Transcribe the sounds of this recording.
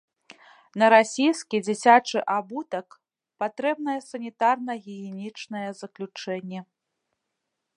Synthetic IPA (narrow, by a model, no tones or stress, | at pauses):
nɐɾasʲijskʲid͡zʲit͡sʲat͡ʂɨʔabut̪ɐk | pat̪ɾɛbn̪ɐjɛsɐnʲit̪arnɐɣʲiɣʲɛnʲit͡ʂnɐjɛzɐklʲut͡ʂɛnʲːɛ